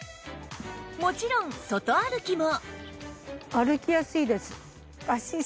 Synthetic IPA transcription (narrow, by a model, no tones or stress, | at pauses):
mo̞t͡ɕiɾõŋsot̪oaɾɯ̟kʲimo | aɾɯ̟kʲijasɨiːd̪e̞sɨ̥ | kaɕi